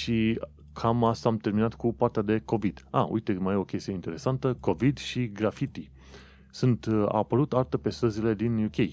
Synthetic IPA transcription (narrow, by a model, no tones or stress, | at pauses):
ʃi | kʰamast̪aamt̪e̞rminat̪kupart̪ead̪e̞ko̞vid̪̥a̰ṵjt̪e̞majo̞kʲest̪ijeint̪e̞ɾe̞sant̪əko̞vid̪ʃiɡɾafit̪i | sunt̪a̰pəɾut̪art̪əpe̞st̪əzile̞d̪injukʲej